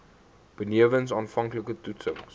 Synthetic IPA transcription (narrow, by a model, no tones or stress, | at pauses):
b̥əniəvəns̬ɑːnfɐŋkləkətutsəŋs